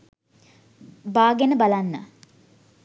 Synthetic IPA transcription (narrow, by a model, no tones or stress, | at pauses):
baːɡenəbalanːa̰